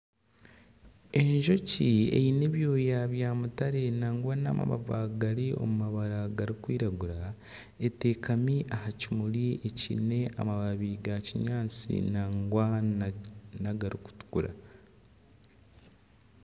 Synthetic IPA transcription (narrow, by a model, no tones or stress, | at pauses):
e̞ɲʒo̞ciḛjine̞βjo̞ːjaβjaːmutaɾe̞naːŋɡwana̰ma̰βa̰va̰ɡaɾio̞̰mumaβaɾaɡaɾikwiːɾaɡuɾa | ete̞ːkamiʔahacimuɾie̞cine̞ʔa̰maβaβiɡaciɲaːt͡sḭnaŋɡwa | naɡaɾiku̥tu̥kuɾa̰